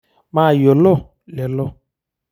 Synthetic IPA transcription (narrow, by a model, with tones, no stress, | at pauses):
maː˦˨jɔ˨lɔ˦˨ | lɛ˨lɔ˦˨